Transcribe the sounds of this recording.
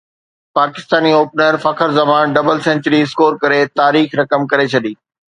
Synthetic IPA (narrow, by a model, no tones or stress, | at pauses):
paːkɪ̥st̪aːnioːpnəɾfɐkʰəɾzɐmaːnɖɐbəlsɛ̃ɲt͡ɕəɾiɪskoːɾkɐɾet̪aːɾiːxɾɐkəmkɐɾet͡ɕʰɐɗiː